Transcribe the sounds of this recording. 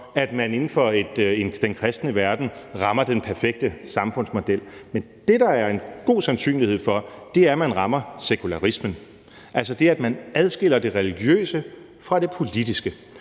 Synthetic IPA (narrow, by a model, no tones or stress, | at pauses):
æd̥mæne̝nn̩fɒe̝d̥e̝nd̥enkʰʁɛsd̥nəʋæɐd̥n̩ʁɑ̈mɐd̥enpʰæɐfeɡ̥̚d̥əsɑ̈mfɔ̽n̰smo̝d̥el̰mend̥e̝dɑ̈æɐe̝nɡ̥o̝̰ːsænsy̰ːnlihe̝ð̞̰ˠfɒ̽d̥e̝æɐmænʁɑ̈mɐsekʰulæʁismən | ʔæls̬ɒd̥e̝æd̥mænæð̞ˠsɡ̥e̝l̰ɐd̥e̝ʁɛliɡ̥jø̰ːsə | fʁɑ̈d̥e̝pʰo̝lid̥isɡ̥ə